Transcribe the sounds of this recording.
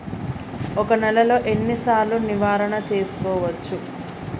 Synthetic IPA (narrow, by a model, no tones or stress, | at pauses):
ɔkɐnɛlɐlo̞ːʔe̞nːisaːɾluniʋaːɾɐɳɐt͡ʃe̞ːsu̥kɔːʋɐt͡ʃːu